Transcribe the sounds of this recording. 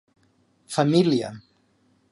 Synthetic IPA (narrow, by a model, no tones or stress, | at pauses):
familja̰